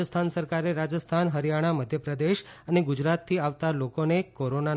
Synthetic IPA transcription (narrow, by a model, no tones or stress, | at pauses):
əst̪ʰansəɾkaɾeɾad͡ʒəst̪ʰanɦəɾjaɽ̃aməd̪ʱjəpɾəd̪eʃəneɡud͡ʒɾat̪ʰːiaʋt̪alokonekoɾona